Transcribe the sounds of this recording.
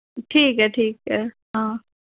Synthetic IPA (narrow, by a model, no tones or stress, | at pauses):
ʈʰiːkɛʈʰiːkɛ | ɦãː